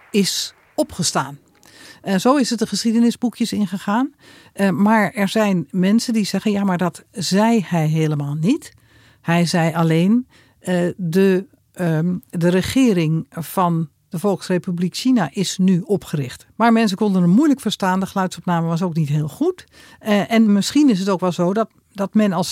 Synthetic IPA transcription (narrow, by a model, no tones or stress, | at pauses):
ɪs | ɔpχəstaːn | z̥owɪsət̚dəχəsχidənɪzbukjəsɪnχəχaːn | maɹɛɹzɛjnmɛnsəndiz̥ɛɣənjamaɹdɔtz̥ɛjhɛjɦeːləmaːlˠnit | hɛjzɛjaleːn | də | dərəχɪːəɾɪŋv̥ɑn | dəfɔlˠksrepyblikʃinaʔɪsnyɔpχərɪxtmaɹmɛns̬əkɔndənənmujləkfəɹstaːndəxlœɥtsɔpnaːməʋɑs̬oːknitɦɪːlˠxut | ʔɛnmɪsχinɪs̬ətoːkʋɛlˠzoːdɔt | dɔtmɛnɑlˠs